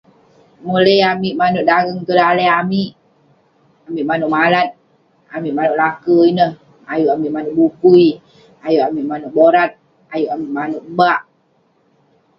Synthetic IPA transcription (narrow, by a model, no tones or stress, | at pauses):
muləamiʔmanuʔ̚daɡəŋt̪ulaləamiʔ | amiʔmanuʔmalat̪̚ | amiʔmanʊʔlakəinəh | ajuʔamiʔmanuʔbukui | ajuʔamiʔmanuʔ̚boɾat̪̚ | ajuʔamiʔmanʊʔbaʔ